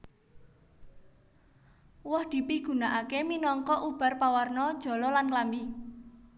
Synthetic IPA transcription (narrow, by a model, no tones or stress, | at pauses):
wɔhd̪̥i̤piɡ̥ṳnaʔakeminɔŋkɔʔub̥a̤rpawarnɔd̥ʒ̥ɔ̤lɔlanklambi